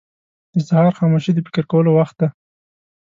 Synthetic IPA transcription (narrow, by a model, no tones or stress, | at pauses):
d̪əsahɑɾxɑmoʃid̪əpɪ̥kəɾkawəlowaxt̪̚d̪a